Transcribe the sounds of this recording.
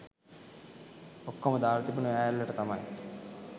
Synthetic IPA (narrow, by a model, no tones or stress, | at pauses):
okːoməd̪aːɾt̪ipunəʋæːjalːɐʈət̪ama̰j